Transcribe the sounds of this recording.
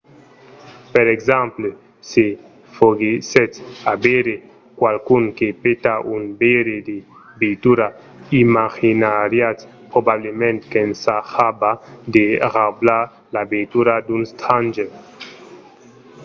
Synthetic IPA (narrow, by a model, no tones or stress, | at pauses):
peɾeɡzãmple | se | foɡiset̪abeɾe | kwalkuŋkepet̪aʔunbeɾed̪e | bet̪uɾa | imaʁinaɾjat̪ | pʁobablemẽnt̪kensahabad̪eʁabla | labet̪uɾad̪unst̪ʰand͡ʒe